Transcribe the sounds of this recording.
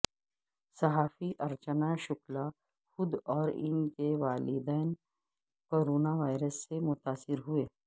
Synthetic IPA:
sɐɦaːfiʔɐɾt͡ʃənaʃʊkla | xʊd̪ɔːɾɪ̰nkeʋaːlɪd̪ɛːn | koːɾoːnaʋaːɪɾəsːemʊt̪aːsɪɾɦʊeː

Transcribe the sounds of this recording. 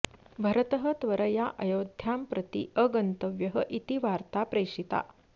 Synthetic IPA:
bʱəɾət̪əɦət̪ʋəɾəjaʔəjod̪ʱjampɾət̪ḭəɡənt̪əʋjəɦəʔit̪iʋaɾt̪apɾeʂit̪a̰

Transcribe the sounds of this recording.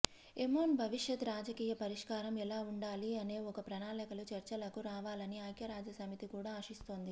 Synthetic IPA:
emoːnbʱɐʋiʂjɐt̪ɾaːd͡ʒɐkiːjɐpɐɾiʂkaːɾɐmɛlaːuɳɖaːliɐne̞ːɔkɐpɾɐnaːlɐkɐlut͡ʃɐɾt͡ʃɐlɐkuɾaːʋaːlɐniaːjkjɐɾaːd͡ʒɐsɐmit̪ikuːɽaːaːʂist̪oːnd̪i

